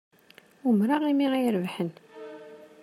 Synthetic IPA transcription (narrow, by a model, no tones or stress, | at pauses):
umɾaʁimiʁajəɾvħən